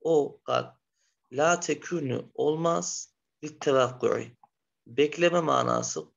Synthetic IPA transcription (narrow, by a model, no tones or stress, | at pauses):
oqa̰t̪̚ | lʲaːt̪ʰɛkʰyny̰olˠmaz̥ | biɾt̪ʰɛvaqːṵʕḭ | bɛclʲɛmɛma̰ːna̰ːsɯ